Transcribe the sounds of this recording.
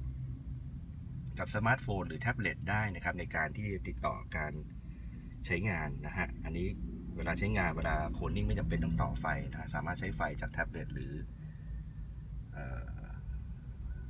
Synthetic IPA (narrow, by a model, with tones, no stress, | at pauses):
ka˨˩p̚sa˧maː˦˥t̪̚foː˧nɾɯː˩˦t̪ʰɛ˦˥p̚le˨˩t̪̚daː˥˩jna˦˥kʰp̚na˧jkaː˧nt̪ʰiː˥˩t̪i˨˩t̪ːɔ̰ː˨˩kaː˧n | t͡ɕʰa˦˥jŋaː˧nːa˦˥kʰa˦˥ʔʔa˧nːiː˦˥ | weː˧laː˧t͡ɕʰa˦˥jŋaː˧nweː˧laː˧kʰo˧nːiː˥˩ma˥˩jt͡ɕa˧mpe˧nt̪ɔː˥˩ŋt̪ɔː˨˩fa˧jna˦˥kʰa˦˥ʔsaː˩˦maː˥˩t̪̚t͡ɕʰa˦˥jfa˧jt͡ɕaː˨˩k̚t̪ʰɛ˦˥p̚le˨˩t̪̚ɾɯː˩˦ | ʔɤː˨˩